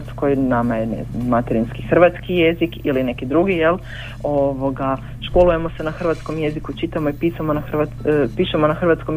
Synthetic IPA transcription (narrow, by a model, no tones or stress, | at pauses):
t̪sko̞jnamajenḛznamːat̪eɾinskixr̩ʋat̪skije̞zikiline̞kid̪ɾuɡije̞l | o̞ʋo̞ɡa | ʃko̞luje̞mo̞se̞naxr̩ʋat̪sko̞mje̞zikut͡ʃit̪amo̞ipiːsamonaxrʋa | piːʃemonaxrʋat̪skom